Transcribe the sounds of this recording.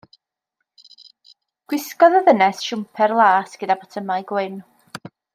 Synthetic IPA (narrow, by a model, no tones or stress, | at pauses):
ɡ̥wɪskɔðəðənɛsʃʊmpʰɛrlˠaːsɡ̥ədabɔtʰəmajɡwɪn